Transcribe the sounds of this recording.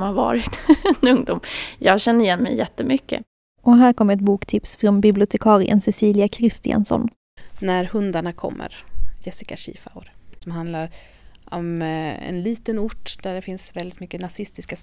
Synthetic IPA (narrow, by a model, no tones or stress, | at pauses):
mhaɾvɑ̰ːɾɪt̪ɛnɵŋd̪uːmjɑːɡɕɛnːəɾɪjɛnːmɛ̰jːɛt̪ːəmʏkːə̰ | ʔɔɦæːɾkʰɔmːəɾɛt̪̚buːkt̪ʰɪpsfɾɔnbɪblɪʊt̪ʰɛkʰɑːɾɪʔə̰nsɛsiːlɪakʰɾɪst̪ɪa̰nsɔ̰n | næɾhɵnd̪aɳakʰɔ̰mːə̰ɾjɛsɪkaɕḭːfa̰wɾsɔmɦand̪laɾ | ɔmɛ̰nliːt̪ənʊʈːd̪̥æɖɛfɪnsvɛld̪ɪt̪mʏkːənasɪst̪ɪska